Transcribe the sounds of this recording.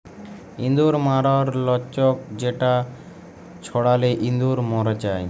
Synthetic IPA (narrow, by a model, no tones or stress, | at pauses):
ḭnd̪uɾmaɾɔɾlɔt͡ʃɔk̚d͡ʑeʈa | t͡ɕʰɔɽaleʔind̪uɾmɔɾed͡ʑaj